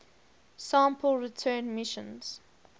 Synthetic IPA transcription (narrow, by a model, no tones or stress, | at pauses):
sãˑmpʰəlˠɹitʰɜːnmɪʃə̰̃nz̥